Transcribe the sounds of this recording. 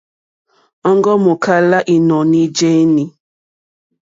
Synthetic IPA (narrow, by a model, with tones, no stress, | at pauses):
ɔ˦ŋɡɔ˦mo˨kʰa˦la˦ʔi˨nɔ˨ni˦d͡ʒe˦ni˨